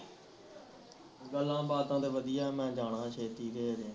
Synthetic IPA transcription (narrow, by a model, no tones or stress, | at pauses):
ɡəlːãːbaːd̪ãːd̪eːʋəd̪ijaːmɛ̃ːd͡ʒaːɽãːʃʰeːt̪iːɾeːɾẽː